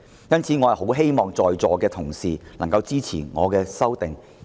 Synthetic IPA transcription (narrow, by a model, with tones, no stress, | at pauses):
jɐ˥nt͡sʰiː˨˥ŋɔː˨˧hɐ˨jho˨˥wɦe˥jmɔː˨ŋt͡sɔː˨jt͡sɔː˨kɛː˧t̪ʰʊ˨˩ŋsiː˨lɐ˨˩ŋkɐ˧wt͡siː˥t͡sʰḭː˨˩ŋɔ̰ː˨˧kɛː˧sɐ˥wt̪ɪ˨ŋ